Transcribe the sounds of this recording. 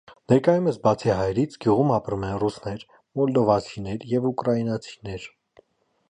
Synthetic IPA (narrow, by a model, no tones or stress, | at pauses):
nɛɾkɑjuməsbɑt͡sʰiɦɑjɛɾit͡sʰɡjuʁumɑpɾumɛnrusnɛɾ | mɔld̪ɔvɑt͡sʰinɛɾjɛvukɾɑinɑt͡sʰi̥nɛɾ